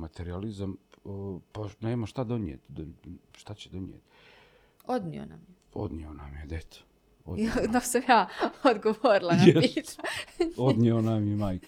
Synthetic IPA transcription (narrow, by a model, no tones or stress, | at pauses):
mat̪eɾializam | paneːmaʃt̪ad̪oniḛt̪d̪oʃt̪at͡ɕed̪oniḛt̪ | od̪nḭo̰na̰mje | o̰d̪nionamjed̪et̪ | od̪osamjaːod̪ɡoʋoɾilˠanjeit̪aod̪nionamjemaːjk